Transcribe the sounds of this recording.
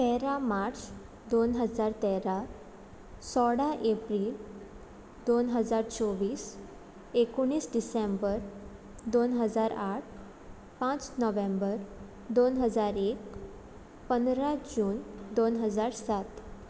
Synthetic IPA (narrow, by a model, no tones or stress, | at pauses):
t̪ɛɾamaɾt͡s | d̪onɦəd͡zaɾt̪ɛɾa | sɔɽaʔepɾiːl | d̪onɦəd͡zaɾt͡sɔʋiːs | ekoɳ̃iːsɖisẽmbəɾ | d̪onɦəd͡zaɾaʈ̚ʰ | pãt͡snɔʋẽmbəɾ | d̪onɦəd͡zaɾek | pənd̪ɾad͡ʑuːnd̪onɦəd͡zaɾsat̪